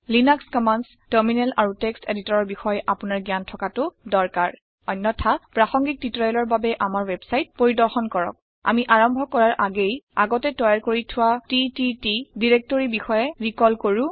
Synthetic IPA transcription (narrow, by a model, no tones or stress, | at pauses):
linakskɔmans | tɛɹminɛlʔa̰ɹuteksteditɔɹɔɹbixɔjʔapʊnaɹɡjantʰɔkatʊdɔɹkaɹ | ɔnːɔtʰapɹaxɔŋɡik̚titɹɔjɔlɔɹbabɛʔamaɹwɛbsajt̚poɹidɔɹxɔnkɔɹɔ̰k̚ | a̰miʔaɹɔmbʱɔkɔɹaɹʔaɡejaɡɔtɛtɔjaɹkoɹitʰʊwatititidiɹek̚toɹibixɔjɛɹikɔlkoɹu